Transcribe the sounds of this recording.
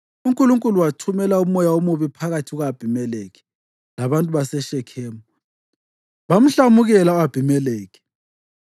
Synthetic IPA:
uŋkʼuluŋkʼuluwatʰumɛlaumɔjaomuβipʰaɣatʰiɣwab̥ʱimɛlɛɣɛ̥ | laβantʼuβasɛʃɛkʰɛːmɔ | βam̩ɬamuɣɛlaab̥ʱimɛlɛːɣɛ̥

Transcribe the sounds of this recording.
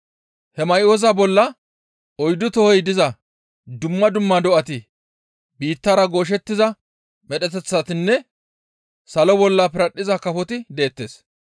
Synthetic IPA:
hɛmɐjoːzabɔlːɐ | ɔjd̪ʊt̪ɔhɔjd̪ɪzɐ | d̪ʊmːɐd̪ʊmːad̪ɔʔɐt̪ɪ | biːt̪ːaːɾɐɡo̞ːʃ̬ɛt̪ːɪzɐ | mɛɗɛt̪ɛt͡sːat̪ɪnːɛ | sɐlɔbɔlːɐpɪɾɐɗːɪzɐkɐfɔt̪ɪd̪e̞ːt̪ːe̞ːs

